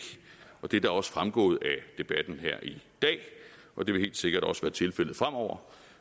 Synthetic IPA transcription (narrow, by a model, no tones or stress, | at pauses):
ʔɒ̽d̥e̝d̥ɑ̈ɒ̽sfʁamɡ̥ɔ̰ːð̩ˠæd̥e̝b̥æd̥n̩ɦeɐ̰ʔid̥ɛ̰ː | ʔɒ̽d̥e̝ʋe̝he̝̰ld̥se̝ɡ̥ɐɾ̥ɒ̽sʋæːɐt͡sʰe̝lfel̰̩ˠfʁam̰ɒʊ̰ɐ